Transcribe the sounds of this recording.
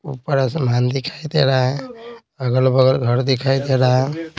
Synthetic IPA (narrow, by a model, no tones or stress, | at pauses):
upəɾasmand̪ikʰajd̪eɾaɦ | əɡəlbəɡəlɡʱəɾd̪ikʰajd̪eɽã